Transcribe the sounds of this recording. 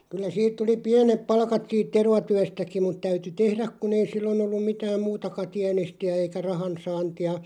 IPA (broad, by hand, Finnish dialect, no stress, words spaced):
kylˑæ siːt tuli piænep pɑlkɑt siːt terʋɑtyæstæki mut tæyty tehræk̆ kun ei silːon olːum mitæːm muːtɑkɑ tiænestiæ eikæ rɑhɑnsɑːntiɑ